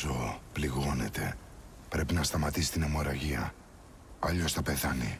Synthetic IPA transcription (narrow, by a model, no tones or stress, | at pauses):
opliɣo̞ne̞̰t̪e̞ | pɾe̞pinɐst̪ɐmɐt̪isi̥t̪inemo̞ɾɐʝiɐ | ɐʎost̪ɐpe̞θɐnḭ